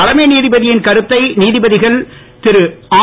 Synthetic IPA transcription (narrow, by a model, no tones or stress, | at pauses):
ɐɽɐmeːniːðɪbɐðɪjɪnkɐɾɯt̪ːɐɪniːðɪbɐðɪɣɐɭ | t̪ɪɾɯaː